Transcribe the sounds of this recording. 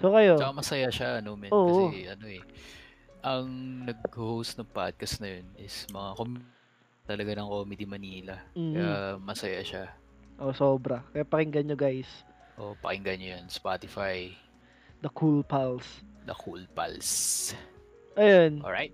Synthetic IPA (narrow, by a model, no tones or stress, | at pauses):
sokɐjot͡ʃkamɐsɐjaʃaʔɐnomɛoːʔɐsɛʔɐnoɛ | ʔɐŋnɐɡ̚hhowst̪nɐŋpa̰d̪̚kɐsnɐjonɪsmɐŋakom | t̪ɐlɐɡanɐŋkoːmɪd̪imɐniːlɐm̩kjamɐsɐjaʃa | ʔosoːbɾɐkɐjapɐkɪŋɡɐnɲoɡajs | ʔo̰pɐ̰kɪŋɡanojɐnspat̪ɪfaj | d̪ɐkulpalsd̪ɐ̰kulpa̰ls | ʔɐjonʔɹa̰jt̪̚